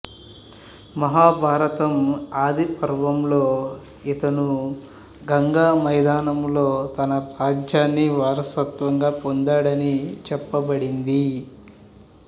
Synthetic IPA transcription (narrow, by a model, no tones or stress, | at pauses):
mɐɦaːbʱaːɾɐt̪ɐmaːd̪ipɐɾʋɐmloː | it̪ɐnu | ɡɐŋɡaːmɐjd̪aːnɐmlo̞ːt̪ɐnɐɾaːd͡ʒjaːnːiʋaːɾɐsɐt̪ʋɐŋɡaːpond̪aːɽɐnit͡ʃɛpːɐbɐɽind̪i